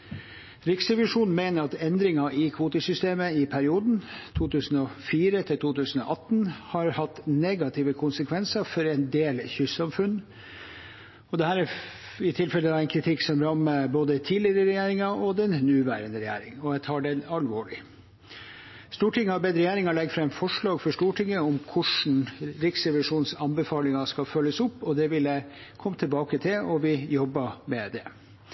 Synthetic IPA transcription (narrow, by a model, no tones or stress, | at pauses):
ɾɪksɛʋɪʂuːnn̩meɪnəɾɑt̪ɛnd̪ɾɪŋɑʔɪkʰʋuːt̪əsʏst̪eːməɪpʰæɾɪuːd̪n̩t̪ʰuːt̪ʰʉːsən̩ɔfiːɾət̪ʰɪlt̪ʰuːt̪ʉːsn̩ɔ̰ʔɑt̪ːn̩hɑɾhɑt̪ːneɡɑt̪ʰɪːʋəkʰʊnsəkʰʋɛnsəfɔɾɛnd̪eːlçʏsɑmfʉnː | ɔd̪ɛhæːɾɛ | ɪt̪ʰɪlfɛləd̪ɑæɪkʰɾɪt̪ʰɪksɔmɾɑmːəboːd̪ət̪ʰiːlɪəɾəɾɛjeːɾɪŋɑɔd̪ɛnnʉːʋæ̰ːɾənəɾɛjḛːɾɪŋɔjæt̪ʰɑːɖɛnɑlʋoːɭɪ | st̪uːʈɪŋːəhɑbɛd̪əɾɛjeːɾɪŋɑlɛɡfɾɑɛnfɔʂɭɑːɡfɔʂʈuːʈʰɪŋːəɔmkʰʊʂɳ̩ɾɪksɾɛʋɪʂuːnsɑnbəfɑːlɪŋɑskɑfœlːəsʊpːɔd̪ɛʋɪlæɪkʰɔmːt̪ʰɛlbɑːkət̪ʰɪlɔʋɪjɔbːɑmɛd̪ɛ